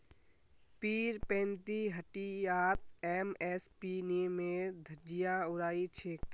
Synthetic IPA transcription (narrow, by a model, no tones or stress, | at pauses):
piːɾpẽːnt̪iɦəʈiaːt̪̚emespinimeɾd̪ʱəd͡ʒijaʊɾaːit͡ʃʰeːk